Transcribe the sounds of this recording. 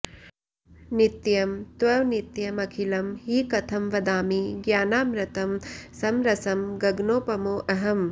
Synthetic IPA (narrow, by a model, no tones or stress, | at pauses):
nit̪jɐmt̪ʋɐʋnit̪jɐmɐkʰilɐmhiːkɐt̪ʰɐmʋɐd̪aːmiɡjaːnaːmɾɐt̪ɐmsɐmɾɐsɐmɡɐɡnoːpɐmoːʔɐɦɐm